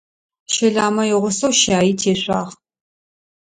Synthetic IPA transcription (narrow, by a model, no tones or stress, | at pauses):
ʃɐɮaːmɐjɪʁʷʊsɐwʃaːjiːtʰeːɕʷaːʁ